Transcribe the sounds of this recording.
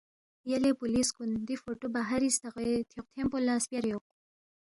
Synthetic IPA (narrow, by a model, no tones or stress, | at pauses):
jalepuliskund̪ifoʈobaɦaɾist̪aqet̪ʰoqt̪ʰempolaspjaɾjoq̚